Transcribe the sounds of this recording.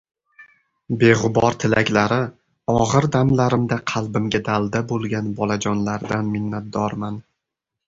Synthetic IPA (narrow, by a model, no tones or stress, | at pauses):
be̞ʁʊbɒɾt̪ʰɪlakʲlaɾɪ | ɒʁɨɾd̪amlaɾɪmd̪aqʰɑlˠbɪmɡʲad̪alˠd̪abolˠɡʲanbɒlˠad͡ʒɒnlaɾd̪anmɪnːat̪̚d̪ɒɾman